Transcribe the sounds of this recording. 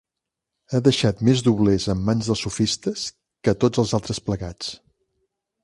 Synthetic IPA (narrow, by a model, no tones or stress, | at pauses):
əðəʃat̪mezðuβlezəmːanzðəlˠsufist̪əs | kət̪od͡zəlˠzalˠt̪ɾəspləɣat͡s